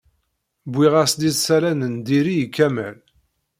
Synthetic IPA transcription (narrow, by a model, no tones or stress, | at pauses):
bʷːiʁæsd̪iθsæɾænənd̪iɾijkːæmæ̰l